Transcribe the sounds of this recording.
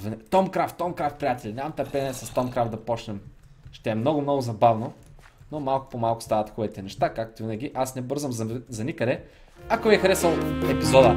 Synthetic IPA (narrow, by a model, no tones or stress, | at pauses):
vɛt̪ɔmkɾaft̪ːɔmkɾaft̪̚pɾʲijat̪ɛlʲinʲamɐmt̪ɐɾpɛnʲɛsɐst̪ɔmkɾaft̪d̪ɐpɔt͡ʃnɛm | ʃt̪ɛɛmnɔɡʊmnɔɡʊzɐbavno | nomalˠkʊ̥pomalˠkʊ̥st̪avɐt̪xub̪it̪ɛnɛʃt̪akak̚t̪ʊvinəɡʲiʔasnɛbɤɾzɐmzzɐnikəd̪ɛ | akoiɛxɾɛsəlˠɛpizɔd̪ə